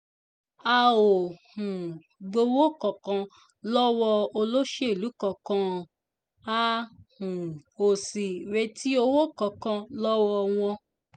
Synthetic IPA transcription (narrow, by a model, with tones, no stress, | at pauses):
a˧o˨hũ˨ | ɡ͡bo˧wo˦kɔ̃˨kã˧ | lɔ˦wɔ˧o˧lo˦ʃe˦˨lu˨˦kɔ˨˧˨kã˧˨ | a˧hũ˨o˨si˨ɾe˧tʰi˦o˧wo˦kɔ̃˨kã˧lɔ˦wɔ˧w̃ɔ̃˧